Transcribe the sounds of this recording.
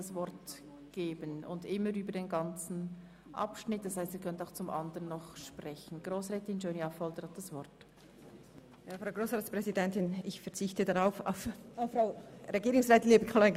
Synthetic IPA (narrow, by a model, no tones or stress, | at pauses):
asvɔrt | ɡ̥eːbənʊ̰ndɪmːəɾyːbədeːnɡɑnt͡sn̩ | ʔɑ̰pʃnɪt̚d̥ɑshaɪstiːkʰœntaʊxt͡sʊmʔɑ̰ndəʁənːɔχʃpʁ̥ɛçn̩ɡ̥ʁoːsʁɛːtɪnd͡ʒøːniafɔldəɾhɑt̚d̥asv̥ɔɾt | jaːfɾʁaʊɡɾoːsʁaːtspʁ̥ɛzidɛntɪnɪçfɛɐt͡sɪçtədaʁaʊfa̰ʊfafɾaʊɾeɡiːɾʊŋsʁɛːtɪnleːbəkʰɑla